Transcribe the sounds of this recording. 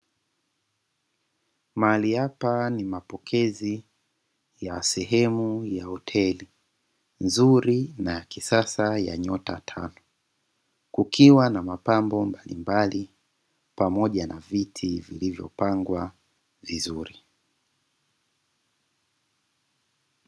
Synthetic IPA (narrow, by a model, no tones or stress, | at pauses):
maliapanimapɔkʰɛzi | jasɛɦɛmujahɔtʰɛli | nzuɾinajakisasaja̰ɲɔtatʰa̰nɔ | kukʰiwanamapambɔmbalḭmbali | pamɔʄanavitʰivilivjɔ̰paŋɡwa | vizuɾi